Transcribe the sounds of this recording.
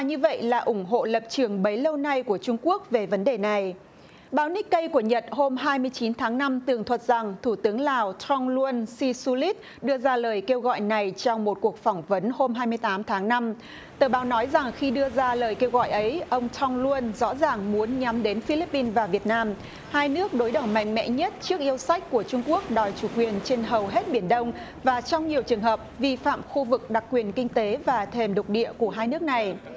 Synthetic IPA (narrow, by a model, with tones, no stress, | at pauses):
a˨˩ɲɨ˧və̰˧˨jlaː˨˩ʔʊ˧˩ŋ͡mɦo̰˧˨lə˨˩p̚t͡ɕɨ˨˩əŋɓə˨˦jlə˧wna˧jku˧˩ət͡ɕʊ˧ŋ͡mku˦˥ək̚ve˨˩və˨˦nɗe˨˩na˨˩j | ɓaː˨˦wni˦˥k̚kːə˧jku˧˩əɲə˨˩t̚ho˧mɦaː˧jmɨ˧əjt͡ɕi˨˦nt̪ʰaː˨˦ŋna˧mt̪ɨ˨˩əŋt̪ʰwə˨˩t̚z̥a˨˩ŋt̪ʰu˧˩t̪ɨ˨˦əŋlaː˨˩wt̪ʰɔ˧ŋlu˧ənsi˧su˧li˦˥t̚ | ɗɨ˧əzaː˧ləː˨˩jke˧wɣɔ̰˧˨jna˨˩jt͡ɕɔ˧wŋ͡mmo˨˩t̚ku˨˩ək̚fɔ˧˩wŋ͡mvə˨˦nho˧mɦaː˧jmɨ˧əjt̪aː˨˦mt̪ʰaː˨˦ŋna˧m | t̪əː˧˩ɓaː˨˦wnɔ˨˦jza˨˩ŋxi˧ɗɨ˧əzaː˧ləː˨˩jke˧wɣɔ̰˧˨jʔə˨˦jʔə˧wŋ͡mt̪ʰɔ˧wŋ͡mlu˧ənzɔ̰˧˥zaː˨˩ŋmu˨˦ənɲa˨˦mɗe˨˦nfi˧li˦˥pːi˧nvaː˨˩vi˨˩ət̚naː˧m | haː˧jnɨ˦˥ək̚ɗo˨˦jɗə˨˧˩wma˨˧˩jŋ̟mɛ̰˧˨ɲə˦˥t̚t͡ɕɨ˦˥ək̚ʔi˧əwsa˦˥jk̟ku˧˩ət͡ɕʊ˧ŋ͡mku˦˥ək̚ɗɔ˨˩jt͡ɕu˧˩kwi˨˩ənt͡ɕe˧nɦə˨˩wɦe˦˥t̚ɓi˧˩ənɗə˧wŋ͡m | vaː˨˩t͡ɕɔ˧wŋ͡mɲi˨˩əwt͡ɕɨ˨˩əŋɦəː˨˩p̚vi˧fa̰ː˧˨mxu˧vɨ˨˩k̚ɗa˨˩k̚ːwi˨˩ənkï˧ŋ̟t̪e˨˦vaː˨˩t̪ʰe˨˩mɗə˨˩k͡p̚k̚ɗḭ˧˨əku˧˩əɦaː˧jnɨ˦˥ək̚na˨˩j